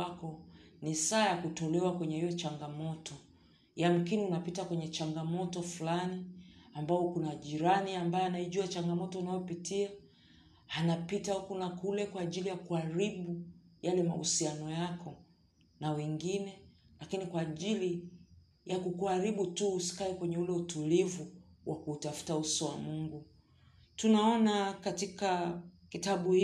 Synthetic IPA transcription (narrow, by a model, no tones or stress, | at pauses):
akɔnisaːjakutɔlɛwakwɛɲɛhijɔt͡ʃaŋɡamɔtɔ | jam̩kiniunapitakwɛɲɛt͡ʃaŋɡamɔtɔflaniambaɔkunaʄiɾaniambajɔanaiʄuat͡ʃaŋɡamɔtɔunajɔpitiaː | napitaukunakulɛkwaːʄilijakuaɾiɓujalɛma̰hṵsianɔjakʰɔ | nawɛŋɡinɛlakinikwaːʄili | jakukuaɾiɓutuːsi̥kaɛkwɛɲɛulɛutulivuwʔakuːtafu̥tausɔwa̰muŋɡu | tunaɔnakatikakitaɓuhi